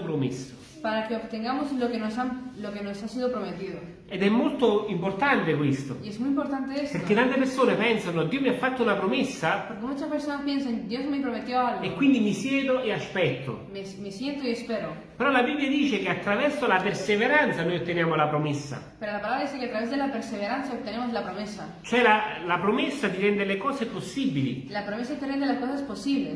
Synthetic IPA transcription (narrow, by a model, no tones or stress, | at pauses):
pɾomesːo̥ | paɾakeobt̪eŋɡamoslokenosamlokenosasiðopɾomet̪iðo | ed̪ɛmːolt̪oimpoɾt̪ant̪ekwist̪o̰iezmujimpoɾt̪ant̪eespeɾket̪ːant̪epeɾsoːnepɛnsanod̪ːiːomiafːat̪ːounapɾomesːapoɾkemut͡ʃaspeɾsonaspjenseŋd̪jozmepɾomet̪joalɣekːwind̪imisjɛːd̪oeaspɛt̪ʰːo̰mesmisjent̪oiespeɾo | peɾɔlabibːljad̪iːt͡ʃekeat̪ːɾavɛɾsolapeɾseveɾant̪sanoːjot̪ːenjaːmolapɾomesːa̰peɾolapalaβɾad̪isekeat̪ːɾaβezd̪elapeɾseβeɾansaot̪ːenemozlapɾomesa | t͡ʃoɛlalapɾomesːat̪iɾɛnd̪elekɔːseposːibilḭlapɾomes̬at̪eɾɛnd̪elaskosesposiβle